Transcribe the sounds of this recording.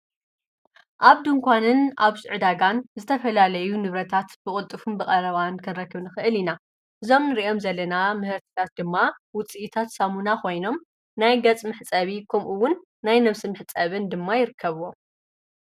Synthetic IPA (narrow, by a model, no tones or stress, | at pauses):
ʔaβd̪ɨŋkʷʰanɨnaβsɨʕɨd̪aɡanzɨt̪ʰɐfɐlalɐjunɨβɾɐt̪ʰat̪b̥ɨχʼʊt̪ʼːɨfumbɨkʼɐɾɐβankʰɨnɾɐkːɨβnɨxɨʔɨlina | ʔɨzo̞mnɨɾiʔo̞mzɐlːɐnamɨhɨɾt̪ʰɨ̥t̪ʰat̪̚d̪ɨmːawʊt͡sʼiʔit̪ʰat̪samunakʰo̞jno̞m | najɡɐt͡sʼmɨħt͡sʼɐβikʰɐmʔuwːʊnː | ajnɐβsimɨħt͡sʼɐβɨnd̪ɨmːajɪɾɨkʰːɐβɨwo